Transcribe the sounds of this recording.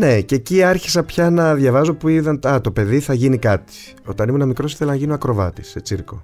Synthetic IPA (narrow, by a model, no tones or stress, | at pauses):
ne̞ceciɐɾçi̥sɐpçɐnɐðʝɐvɐzopuiðɐnɐt̪ope̞ðiθɐʝinikɐt̪i̥ | o̞t̪ɐnimunɐmikɾo̞si̥θelɐnɐʝinoɐkɾo̞vɐ̰t̪i̥sːet͡siɾko̞